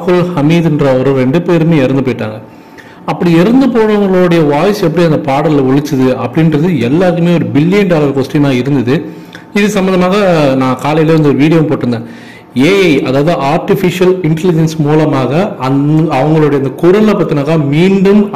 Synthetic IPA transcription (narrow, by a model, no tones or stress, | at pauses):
kɯlhɐmiːðɪndrɐɔɾɯɾɛɳɖɯpeːɾmeːɪɾɐnd̪ɯpoːjɪʈːa̰ːŋɡɐ | ɐpːɐɽiɪɾɐnd̪ɯpoːɳɐʋɐŋɡɐɭoːɽɐjɐʋaːjsɛpːɐɽiɐnd̪ɐpaːɽɐllʋʊɭɪt͡ʃːɯðɯɐpːɐɽɪnɾɐðɯɛlːaːɾkɯmeːɔɾɯbɪlːɪjɐnɖaːlɐɾkoːsʈɾinãːɪɾɯnd̪ɐðɯ | ɪðɯsɐmbɐnd̪ɐmaːɣɐnãːkaːlɐjleːʋɐnd̪ɯɔɾɯʋiːɽɪjɐmpoːʈːɯnd̪ẽː | eːʔɐðaːʋɐðɯʔaːɾʈɪfɪʂɪjɐlɪɳʈɛlɪd͡ʒɛnsmuːlɐmaːɣɐɐɐʋɐŋɡɐɭoːɽɐjɐnd̪ɐkʊɾɐnlɐpɐːɾt̪ːɪnaːkaːmiːɳɖɯm